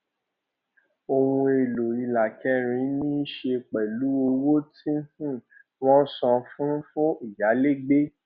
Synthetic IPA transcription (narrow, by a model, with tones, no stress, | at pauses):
o˧wũ˧e˨lo˨i˧la˨kɛ˧˦ɾ̃ĩ˧˦nĩ˦ʃe˧k͡pɛ˨lu˨˦o˧wo˦tʰĩ˦hũ˦˨ | w̃ɔ̃˦sɔ̃˧fũ˦fuõ˦i˨ja˨˦le˦ɡ͡be˦